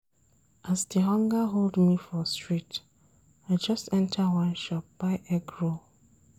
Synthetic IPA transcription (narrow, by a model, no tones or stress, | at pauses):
ʔasdiɦɔ̃ŋɡəɦoldmifɔstɹit | aɪd͡ʒʌstɛ̃ntʰəwãnʃɔp̚b̥aɪʔɛɡɹo